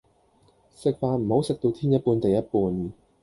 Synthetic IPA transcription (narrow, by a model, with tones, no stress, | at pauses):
sɪ˨k̚faː˧nm̩˨˩ho˨˥wsɪ˨k̚t̪o˧wt̪ʰiː˥njɐ˥t̚puː˧nt̪ɐ˨jɐ˥t̚puː˧n